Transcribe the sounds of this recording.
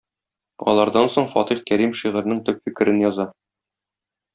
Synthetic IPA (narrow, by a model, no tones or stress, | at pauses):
ɒ̰lˠɑɾd̪ɑnsoɴfɒt̪iχkæɾimʃiʁɘ̆ɾnɘŋt̪ɵpfikɘ̆ɾʔɘnjɒzɑ